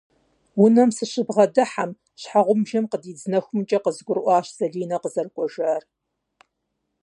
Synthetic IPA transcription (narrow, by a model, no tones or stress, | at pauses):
wʊnɐmsɨɕɪbʁɐdɨħam | ɕħaʁʷʊmʒɐmqədiːd͡znɐxʷʊmt͡ʃʼɐqəzɡʷʊrʔʷɑːɕz̥ɐɮiːnɐqəzɐrkʷʼɔʒaːr